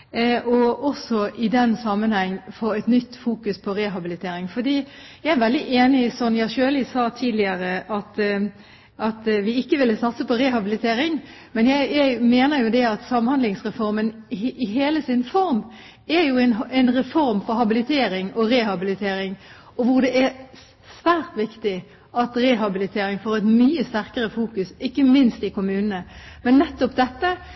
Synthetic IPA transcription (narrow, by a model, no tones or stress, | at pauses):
ʔɔɔsɔʔɪd̪ɛnsɑmːənhɛŋːfoːɛt̪nʏt̪ːfuːkʉspʰɔɾɛɦɑbɪlɪt̪ʰeːɾɪŋfɔd̪iːjæɪæɾʋɛld̪ɪʔeːnɪsɔmjæɪʃøːlɪsɑːt̪ʰiːd̪lɪəɾəʔɑt̪ | ʔɑt̪ʋɪɪkːəʋɪlːəsɑt̪səpɔɾɛhɑbɪlɪt̪ʰeːɾɪŋmɛnjæɪæɪmeːnəɾjʊd̪ɛɑt̪sɑmhɑnd̪lɪŋsʁɛfɔɾmənɪɦeːləsɪnfɔɾm | æɾjʊɛnɛnʁɛfɔɾmfɔɾhɑbɪlɪt̪ʰeːɾɪŋɔɾɛːhɑbɪlɪt̪ʰeːɾɪŋ | ɔʋʊʁd̪ɛʔæ | sʋæːɾt̪ʋɪkt̪ɪ | ɑt̪ɾɛɦɑbɪlɪt̪ʰeːɾɪŋfoːɾɛt̪myːəst̪æɾkəɾəfuːkʉsɪkːəmɪnst̪ɪkʊmʉːnənəmɛnːɛt̪ːɔpd̪ɛt̪ːə